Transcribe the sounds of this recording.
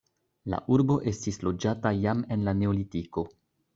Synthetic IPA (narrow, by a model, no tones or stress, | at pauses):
la̰ʔuɾbo̞ʔe̞stislo̞d͡ʒatajame̞nlane̞olitiko̞